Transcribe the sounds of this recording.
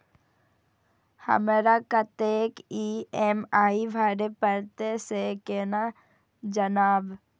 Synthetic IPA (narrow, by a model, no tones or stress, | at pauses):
hə̰mɾakət̪eːkiemaːibʱaːɾepəɾt̪esekeːna | d͡ʒənaːb